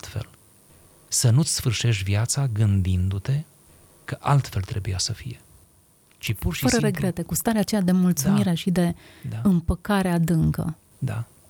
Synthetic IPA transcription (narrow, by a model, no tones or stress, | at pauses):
t̪fe̞̰l | sənut̪sʲsfɨrʃe̞ʃviat̪saɡɨnd̪ind̪ut̪e̞ | kəʔalt̪fe̞lt̪ɾe̞bujasəfije̞ | t͡ʃipurʃifəɾəɾe̞ɡɾe̞t̪e̞kust̪aɾeat͡ʃe̞jad̪e̞mult̪sumiɾe̞ʃid̪e̞aɨmpəkaɾead̪ɨŋkə̰ | d̪a̰